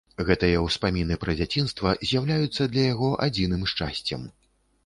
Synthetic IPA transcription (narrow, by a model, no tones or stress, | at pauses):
ɣɛt̪ɨjɐwspamʲinɨpɾɐd͡zʲat͡sʲinst̪vɐzʲjawlʲajut̪sːɐd̪lʲɐjaɣɔʔad͡zʲinɨmʂt͡ʂa̰sʲt͡sʲɐ̰m